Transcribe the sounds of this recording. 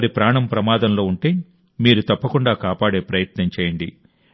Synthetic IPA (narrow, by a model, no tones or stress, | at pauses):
ɾipɾaːɳɐmpɾɐmaːd̪ɐmlo̞ːuɳʈe̞ː | miːɾut̪ɐpːɐkuɳɖaːkaːpaːɽe̞ːpɾɐjɐt̪nɐɲt͡ʃeːjɐɳɖi